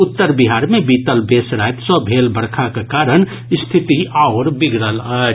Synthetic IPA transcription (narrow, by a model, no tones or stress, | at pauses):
ʊt̪ːəɾbiɦaːɾmẽbiːt̪əlbeːsɾajt̪sɔbʱeːlbəɾkʰakekaːɾən | st̪ʰɪt̪iʔaʊɾbɪɡʱɾələ